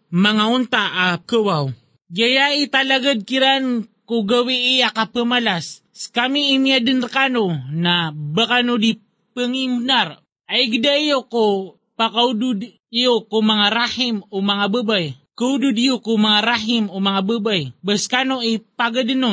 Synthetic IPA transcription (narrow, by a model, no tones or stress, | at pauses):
maŋaunt̪aʔakəwaw | ɡajait̪alaɡad̪̚kiɾankoɡawiʔːakapəmalas | skamiːmijadənrkanonabakanodi | pəŋimnaɾ | aiɡədaijoko | pakaudʊd̪ | ijokomaŋaɾahimomaŋabəbaj | kaudʊd̪ijokomaŋaɾaɦimomaŋabəbajbəskanoipaɡadəno